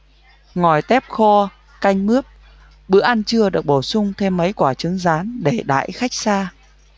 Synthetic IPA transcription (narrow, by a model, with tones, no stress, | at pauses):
ŋɔ˨˩jt̪ɛ˦˥p̚xɔ˧ | ka˧jŋmɨ˦˥əp̚ | ɓɨ̰˧˥əʔa˧nt͡ɕɨ˧əɗɨ˨˩ək̚ɓo˧˩sʊ˧ŋ͡mt̪ʰe˧mːə˨˦jkwaː˧˩t͡ɕɨ˨˦əŋzaː˨˦nɗe˧˩ɗa̰ː˧˨jxa˦˥jk̚saː˧